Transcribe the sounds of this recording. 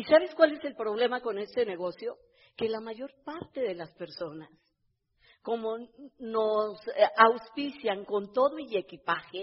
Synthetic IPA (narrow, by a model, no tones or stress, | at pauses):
isaβe̞skwale̞se̞lpɾo̞β̞le̞mako̞ne̞st̪e̞ne̞ɣo̞sjo̞ | ke̞lamaʝo̞ɾpaɾt̪e̞ðe̞laspe̞ɾso̞nas | ko̞mo̞no̞sawspisjaŋko̞nt̪o̞ðoie̞kipaxe